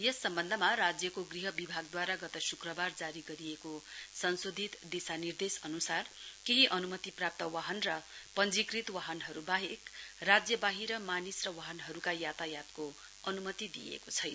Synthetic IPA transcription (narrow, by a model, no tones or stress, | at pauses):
jʌsːʌmbʌnd̪ʱʌmarad͡zjʌkoɡriɦʌbibʱaɡ̚d̪waɾaɡʌt̪ʌsukrʌbard͡zaɾiɡʌɾiekosʌnsod̪ʱit̪d̪isanird̪esʌnusarkeɦiʔʌnumʌt̪iprap̚t̪ʌwaɦʌnrʌpʌnd͡zikrit̪waɦʌnɦʌɾubaɦekrad͡zjʌbaɦiɾʌmanisrʌwaɦʌnɦʌɾukajat̪ajat̪ko | ʌnumʌt̪id̪ḭjḛkot͡sʰʌjnʌ